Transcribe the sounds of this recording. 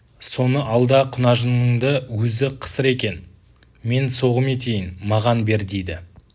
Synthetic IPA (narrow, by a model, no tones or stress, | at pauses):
so̞nəʔɑlˠd̪ɑqʰʊnɑʒənnəɴd̪əwɵzɪqʰə̥səɾe̞kʲe̞n | me̞nso̞ʁəme̞t̪ʲʰe̞jɪnmɑʁɑnbe̞ɾd̪ejd̪ɪ